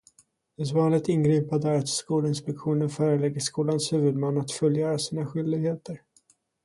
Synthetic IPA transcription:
d̪ɛsvɑːnlɪɡ̚t̪ɪnɡɾiːpad̪əæɾat̪skuːlɪnspɛkɧuːnənfœːɾəlɛɡːəʂkuːlanshʉ̟ːvɵd̪manːat̪fœljœːɾasiːnaɧʏld̪ɪɡheːt̪əɾ

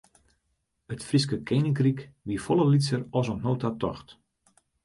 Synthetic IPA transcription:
ətfriskəkʰejnɪŋkrikʋifɔlˠəlisərɔsɔnnoːtatɔxt

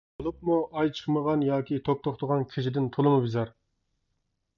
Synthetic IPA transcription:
bolˠup̚muɑjt͡ʃʰə̥χməʁɑnjɑːkʲʰit̪ʰok̚t̪ʰoχt̪ʰəʁɑnkʲʰeʃɪd̪ɪnt̪ʰolˠɨmubɪzɑɾ

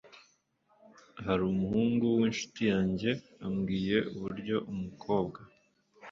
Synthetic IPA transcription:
ɦaɾuːmuhuːŋɡuwiːnʃu̥tijaːɲɟe̞ | amɡiːje̞ʔuβuɾɟo̞ʔumukʰo̞ːbɡa

